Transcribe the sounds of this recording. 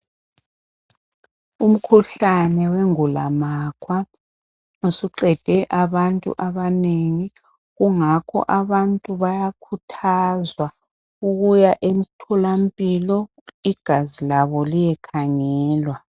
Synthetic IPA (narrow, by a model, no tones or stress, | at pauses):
um̩kʰuɬanɛweŋulamakʰwa | usiǃɛd̥ʱɛʔaβantʼṵʔaβaneŋi | ɣuŋakʰɔ̰ʔaβantʼuβajakʰutʰazwa | uɣujaʔem̩tʰɔlam̩pʼilɔ | iɡ̥ʱazilaβɔlijɛkʰaŋɛːlwa